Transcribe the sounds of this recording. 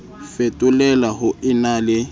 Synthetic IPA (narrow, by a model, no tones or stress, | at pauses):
fetʼʊlɛlaɦʊɪnalɪ